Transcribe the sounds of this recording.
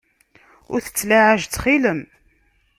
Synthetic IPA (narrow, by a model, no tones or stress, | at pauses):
ʊ̰ɾθə̥t͡sːlaʕaʒt͡sːχiləm